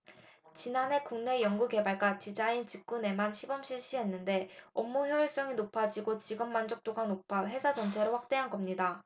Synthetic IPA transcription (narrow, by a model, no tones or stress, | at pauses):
t͡ɕinane̞kuŋne̞jʌŋɡuke̞baɭɡat͡ɕid͡ʑaint͡ɕik̚k͈une̞manɕʰibʌmɕʰiɭɕ͈iɦe̞nːɯnde̞ʌmːuçjʌiɭs͈ʌŋinopʰad͡ʑiɡot͡ɕiɡɯmːand͡ʑʌk̚t͈oɡanopʰaɸe̞sʰad͡ʑʌnt͡ɕʰe̞ɾoɸak̚t͈e̞ɦanɡʌmɲida